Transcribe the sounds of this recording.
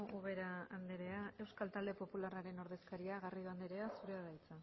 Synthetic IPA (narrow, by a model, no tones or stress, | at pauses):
uβe̞ɾaand̪eɾe̞ae̞wskalt̪ald̪e̞po̞pularaɾe̞no̞ɾðe̞skaɾiaɣariðuand̪eɾe̞asuɾeaɾajt͡sa